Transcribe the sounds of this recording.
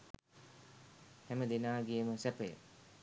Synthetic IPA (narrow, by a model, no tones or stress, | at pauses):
hɛməd̪enaːɡijəməsɛpəjə̰